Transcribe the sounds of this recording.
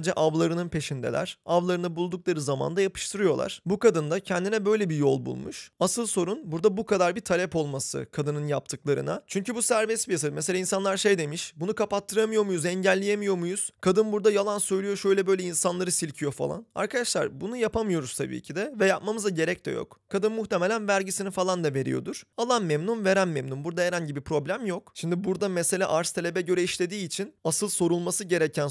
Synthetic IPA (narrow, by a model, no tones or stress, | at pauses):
d̪d͡ʒɛʔavlˠaɾɯnɯnpe̞ʃind̪ḛlʲæ̰ɾ̥avlˠaɾɯnɯbulˠd̪uklˠaɾɯzama̰nd̪ajapʰɯ̥ʃt̪ʰɯɾɯjo̞lˠa̰ɾ̥bukad̪ɯnd̪acʰɛnd̪inɛbø̞jlʲebijo̞̰lˠbṵlˠmṵʃasɯlˠso̞ɾunbuɾd̪abukʰad̪aɾbit̪ʰalʲɛpo̞lˠmasɯ̰kʰad̪ɯnɯnjap̚t̪ʰɯklˠaɾɯ̰nat͡ʃʰyɲcybusæɾvɛsbijas̬ameseainsanlˠaɾʃe̞jd̪e̞miʃbunukʰapat̪ʰːɯɾamɯjo̞mujuzɛɲɟælʲːijemijo̞mujuz̥kʰad̪ɯnbuɾd̪ajalˠansø̞jlʲijo̞ʃø̞jlʲɛbø̞jlʲɛinsanlˠaɾɯsilʲcʰijo̞fa̰lˠa̰na̰ɾkʰad̪aʃlˠa̰ɾbunujapʰamɯjo̞ɾuz̥t̪ʰa̰bḭːcʰid̪ɛvɛjapmamɯzaɟe̞ɾɛc̚t̪ʰɛ̰jo̰kkʰːad̪ɯnmːuxt̪ʰeme̞lʲænvæɾɟisinifalˠand̪ave̞ɾḭjo̞̰d̪uɾ̥alˠanmɛmnunve̞ɾænmɛmnumbuɾd̪aeɾænɟibipɾo̞blʲæmjo̞kʃimd̪ibuɾd̪amese̞lʲa̰ʔaɾst̪ʰelʲe̞bɛɟø̞ɾɛiʃlʲe̞d̪iːt͡ʃʰinasɯlˠso̞ɾulˠmasɯɟe̞ɾɛcʰæn